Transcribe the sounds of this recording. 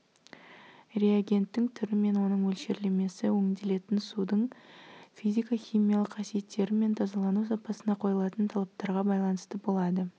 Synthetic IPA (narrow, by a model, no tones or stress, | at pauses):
ɾe̞aɡʲe̞nt̪ːɪŋt̪ʰʏɾɪme̞nwo̞nəɴwɵlʃe̞ɾle̞me̞sɪwɵŋd̪e̞le̞t̪ɪnsud̪əɴ | fijzʲijkaχʲijmijɑlˠəqqʰɑsije̞t̪ːe̞ɾɪme̞nt̪ʰɑzɑlˠɑnusɑpɑsənɑqʰo̞jəlˠɑt̪ənt̪ʰɑlˠɑp̚t̪ɑɾʁɑbɑjlˠɑnəst̪əbo̞lˠɑd̪ə